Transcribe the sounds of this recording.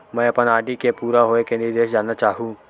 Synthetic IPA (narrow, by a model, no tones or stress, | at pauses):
mɛ̃ːɐpənaːɖikepuːɾaɦoekẽniɾd̪eːʃd͡ʒaːnat͡ʃaːɦũː